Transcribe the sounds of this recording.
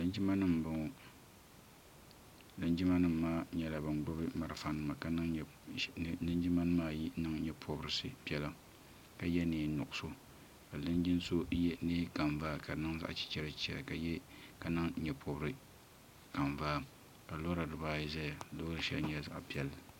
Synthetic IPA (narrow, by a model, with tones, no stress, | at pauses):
lɨ˦n˦d͡ʒi˦ma˦nɨ˦m˨bɨ˨ŋo˨ | lɨ˦nd͡ʒi˦ma˦nɨ˦m̩ː˨aː˦ɲɛ˦˨la˨bɨ˨ŋɡ͡bʊ˦bɨ˦ma˨ɾɨ˨fa˦nɨ˨ma˨ka˦nɨ˦ŋ˨ | nɨ˦n˦d͡ʒi˦ma˦nɨ˦maː˦ji˦nɨ˦ŋɲɛ˨pʰo˦bɾɨ˨˦sɨ˨pi˦ɛ˦la˦ | ka˦jɛ˦neː˨nʊ˨ʔʊ˨so˦ | ka˨lɨ˦n˦d͡ʒi˦n˦so˦jɛ˦neː˦ka˨ɱvaː˦ka˨nɨ˦ŋza̰˦ʔa̰˨t͡ʃi̥˦t͡ʃɛ˦ɾɨ˨t͡ʃɛ˨ka˦jɛ˦ka˦nɨ˦ŋ˦ɲɛ˨pʰo˦bɨ˦ɾɨ˦ | ka˨ɱvaː˦ | ka˨lo˦ɾa˨dɨ˨baː˦˨zɛ˦ja˨lo˦ɾɨ˦ʃɛ̰˦˨ɲɛ˦za̰˦ʔpi˦ɛ˨l